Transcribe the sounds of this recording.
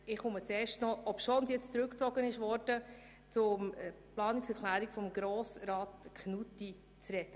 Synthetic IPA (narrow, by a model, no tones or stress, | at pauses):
ɪχʊmət͡seːʃtnɔlɔpʃoːnsjɛt͡st͡sɾʉkt͡sɔɡ̥ənɪʃvɔɾd̥ə | t͡sʊmplɑːnɪksɛkʰlæːɾikfɔmɡɾoːsɾɑːtkχnutːi | t͡srɛtə